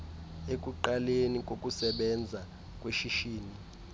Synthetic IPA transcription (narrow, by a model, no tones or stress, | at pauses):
ekʼuǃalenik̬ʼokʼusɛɓɛnd͡zʱa | kʼweʃiʃiːni